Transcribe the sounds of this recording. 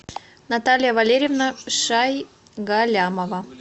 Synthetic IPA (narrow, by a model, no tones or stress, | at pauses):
nɐt̪alʲɪjəvɐlʲeɾʲɪvnəʂaj | ɡalʲaməvə